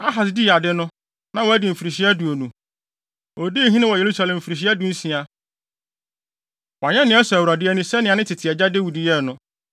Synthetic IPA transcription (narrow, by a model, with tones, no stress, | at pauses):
a˦ɦa˨sdi˦˨a˨dɪ˦nʊ̃˦ | nã˦wɔ˨æ˦di˨m̩˨fi˨ɾi˨ɕi˦a˦du˨o˨nũ˨ | o˨di˦˨ɦĩ˦nɪ̃˦wɔ˨je˨ɾu˦sa˨lɛ̃˨m̩˨fi˨ɾi˨ɕ̬i˦a˦dũ˨˦n̩˦sĩ˨a˨ | wa˨ɲɛ̃˦nɪ̃˦ɛ˦sɛ˨æ˨wɾa˨dɪ˦ɛ˦nĩ˦sɛ˦nɪ̃˨a˨nɪ̃˦tʰɪ˨tʰɪ˨ɛ˨d͡ʑa˦de˦wu˨di˨jɛ˦˨nʊ̃˦